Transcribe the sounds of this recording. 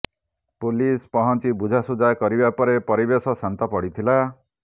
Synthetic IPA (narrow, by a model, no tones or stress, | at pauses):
pulispɔɦɔnt͡ʃibud͡ʒʱasud͡ʒakɔɾibapɔɾepɔɾibesɔsant̪ɔpɔɽit̪ʰila